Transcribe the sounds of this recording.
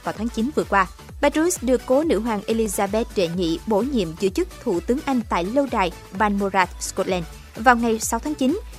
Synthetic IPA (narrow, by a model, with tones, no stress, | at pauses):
vaː˨˩wt̪ʰaː˨˦ŋt͡ɕi˨˦nvɨ˨˩əkwaː˧ | ɓaː˧˥tu˧˦˥sɗɨ˨˩əkːo˨˦nɨ̰˧˥ɦwaː˨˩ŋʔe˧li˧zaː˧ɓɛ˦˥t̚ɗe˧˩ɲḭ˧˨ɓo̰˧˩ɲḭ˧˨əmzɨ̰˧˨t͡ɕɨ˦˥k̚t̪ʰṵ˧˨t̪ɨ˨˦əŋʔa˧jŋ̟t̪a̰ː˧˨jlə˧wɗaː˨˩j | ɓa˧nmo˧zaː˧t̪̚skɔ˧˥t̚lɛ˧n | vaː˨˩wŋa˨˩jsa˨˦wt̪ʰaː˨˦ŋt͡ɕi˨˦n